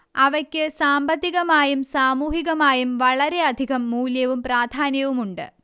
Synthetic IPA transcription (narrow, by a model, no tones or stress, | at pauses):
ɐʋɐkʲːɨsaːmbɐt̪ːiɣɐmaːjumsaːmuːɦiɣɐmaːjumʋɐɭɐɾe̞ɐd̪ʱiɣɐmːuːljɐʋumpraːd̪ʱaːnjɐʋumuɳɖɨ̰